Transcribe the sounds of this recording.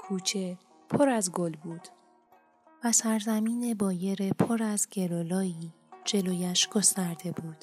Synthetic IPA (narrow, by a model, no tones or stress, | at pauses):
kʰuːt͡ʃʰe̞ | pʰoɾæzɡo̞lbuːd̪̥ | væsæɾzæmiːne̞bɒːje̞ɾepʰoɾæzɟe̞lolɒːiː | d͡ʒe̞loːjæʃɡ̥o̞st̪æɾd̪e̞buːd̪̥